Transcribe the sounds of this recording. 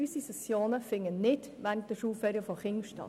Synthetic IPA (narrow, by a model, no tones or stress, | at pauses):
ysisɛsjoːnəfɪŋːənnɪt | ʋæntəʃuːfɛɾəfɔχɪŋʃtɑ̰